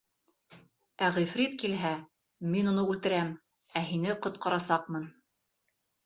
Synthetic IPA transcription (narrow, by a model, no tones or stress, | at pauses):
æʁifɾit̪kilɦæ | minunɤʉlt̪ɘ̆ɾæm | æɦinɘqŏt̪̚qɑɾɑsɑq̚mɤn